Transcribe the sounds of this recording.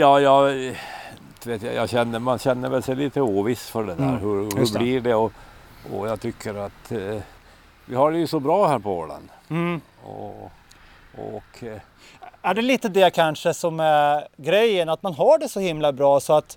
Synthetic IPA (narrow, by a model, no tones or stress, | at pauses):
jɑːjɑː | d̪̥veːt̪ja̰jɑ̰ɕɛnːəmanɕɛnːəɾvɛlsɛjliːt̪əuːvɪsfœɖɛd̪æːɾɦɵɾhɵblɪɖɛɔ | ɔ̰jɑɡt̪ʰʏkʰːəɾat̪ | vɪhaɖɛjɵsɔbɾɑːhæːɾpʰɔɔ̰la̰n | ɔ̰ | ɔ̰kʰ | æɖɛliːt̪əd̪ɛkʰanʂəsɔmæɡɾɛjːənat̪manɦaɖɛsɔhɪmlabɾɑːsɔat̪